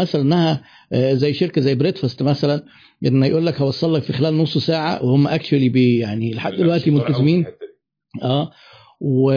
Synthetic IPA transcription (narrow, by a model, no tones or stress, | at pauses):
æsælænʔæhæ | zæjːʃeɾkæzæjːbɾet̪fæst̪mæsælæn | ʔenːhæjʔuːlːækhæwɑsˤːɑlːɑkfixelæːlnosˤːsaːʕa̰wehomːæʔæk̚t͡ʃuælibejaʕnileħad̪ːd̪elwæʔt̪imolt̪æzemiːn | ʔæː | we